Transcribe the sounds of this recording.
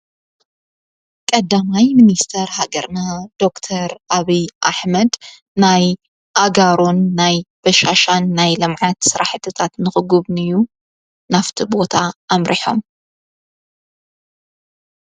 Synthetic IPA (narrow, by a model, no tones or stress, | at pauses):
kʼɐd̪amajmɨnist̪ʰɐɾhaɡɐɾnad̪̥o̞kt̪ʰɐɾaβijʔaħmɐd̪ | naj | ʔaɡaɾonːajb̥ɐʃaʃanːajlɐmʕat̪sɨɾʔaħt̪ʰɨt̪ʰat̪nɨxɨɡɨβnɨjːu | naft̪ʰibo̞t̪ʰaːmɾʔḭħo̞̰m